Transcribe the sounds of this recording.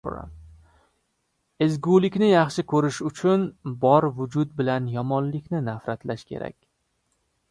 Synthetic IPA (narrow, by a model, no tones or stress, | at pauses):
ɾa̰m | ɪzɡulɪkʲnɪjɑχʃɪkʰɵɾɪʃʊt͡ʃʰʊnbɒɾvʊd͡ʒʊd̪̚bɪlanjɒmɒnlɪkʲnɪnafɾat̪laʃkʲʰe̞̰ɾa̰kʲ